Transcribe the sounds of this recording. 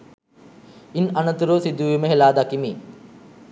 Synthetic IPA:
inɐnɐt̪uɾoːsid̪ujuməɦelaːd̪akimi

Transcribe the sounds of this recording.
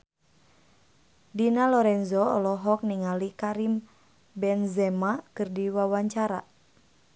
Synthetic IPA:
dinalɔɾɛnzɔɔlɔɦɔk̚niŋalikaɾim | bɛnzɛmakɨrdiwawaɲt͡ʃaɾa

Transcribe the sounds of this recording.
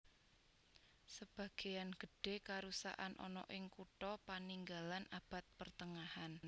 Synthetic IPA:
səb̥ä̤ɡ̥e̤janɡ̥ə̤ɖ̥e̤kaɾusa̰ʔanʔɔ̰nɔ̰ʔɪŋkuʈɔpaniŋɡalanab̥a̤t̪̚pərt̪əŋahan

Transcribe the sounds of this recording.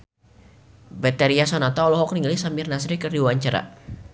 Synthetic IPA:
bɛt̪ɛɾiasɔnat̪aɔlɔɦɔk̚niŋalisamɪrnasɾikərdiwaɲt͡ʃaɾa̰

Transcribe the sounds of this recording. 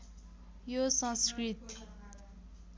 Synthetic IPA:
josãnskrit̪

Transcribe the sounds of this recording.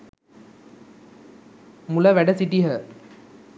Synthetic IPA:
mulɐʋæɖɐsiʈiɦə

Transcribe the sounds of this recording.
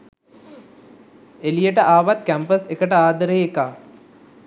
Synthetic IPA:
elijəʈəʔaːʋat̪̚kæmpəsekəʈəaːd̪əɾəekaː

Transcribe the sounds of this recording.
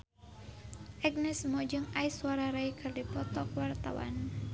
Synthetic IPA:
ʔɛɡ̚nɛsmɔd͡ʒɨŋaisuaɾaɾaikʰɨrdipɔt̪ɔkwart̪awa̰n

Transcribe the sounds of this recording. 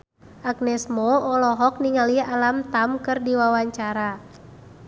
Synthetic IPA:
ʔaɡ̚nɛsmɔɔlɔɦɔk̚niŋalialamt̪amkɨrdiwawaɲt͡ʃaɾa

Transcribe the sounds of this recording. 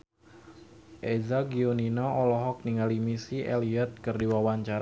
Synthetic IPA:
ʔezaɡioninɔʔɔlɔɦɔk̚niŋalimisiʔeliɛt̪̚kɨrdiwawaɲt͡ʃaɾa

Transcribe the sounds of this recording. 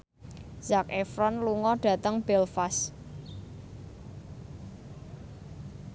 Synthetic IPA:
z̥akefɾɔnluŋɔɖ̥ä̤t̪əŋb̥ɛlfas

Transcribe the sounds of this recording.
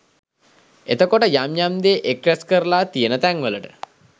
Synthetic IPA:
ḛt̪əkoʈəjamjamd̪eːʔekɾaskəɾlaːt̪ijənət̪æŋʋələʈə̥

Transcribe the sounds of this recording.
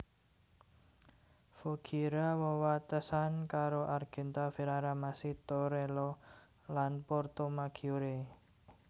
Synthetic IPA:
foɡ̥ʰiɾawɔwat̪əsankaɾoʔarɡ̥ɛ̤nt̪afiɾaɾamasit̪oɾelɔ | lanpɔrt̪omaɡ̥ʰioɾe

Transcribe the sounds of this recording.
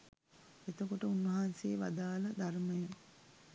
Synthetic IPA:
et̪əkoʈəunʋɐɦaːnseːʋa̰d̪aːlɐd̪aɾməjɐ

